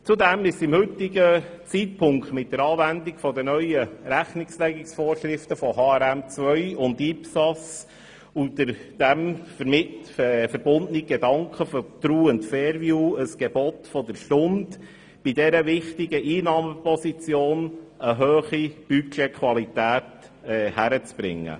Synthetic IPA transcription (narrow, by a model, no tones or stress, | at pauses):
t͡sudɛmɪsɪmhɵtɪɡət͡sit̚pʰʊŋktmɪt̚d̥̪əɾɑːvændɪɡfɔdənœʏəɾæχnɪkslɛɡɪksfoːɾʃɾɪft̪əfɔɦɑːɛɾæmt͡sʋœʏʊndipsɑs | udəɾd̥æmfəɾm | fəɾb̥ʊndəniɡ̥ɛdɑŋkʰχəfɔd̥ɾuːəntfɛːɾvjuːəsɡ̥ɛbɔt̪fɔdəɾʃtʊnt | b̥idɛɾəvɪχtɪɡəʔiːnɑːməpɔsit͡sjoːnəɦøːχib̥ykʃekʰʋɑlitæːtɛhæɾət͡sb̥ɾɪ̰ŋːə̰